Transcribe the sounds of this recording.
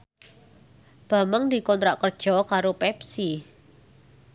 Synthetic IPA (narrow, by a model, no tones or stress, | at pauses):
b̥a̤məŋd̪i̤kɔnt̪ɾaʔkərd̥ʒ̥ɔ̤kaɾopɛpsi